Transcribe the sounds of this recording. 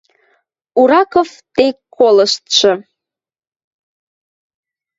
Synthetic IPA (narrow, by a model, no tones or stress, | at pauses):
uɾɑkovt̪ekkʰːoləʃt̪ʃɤ̆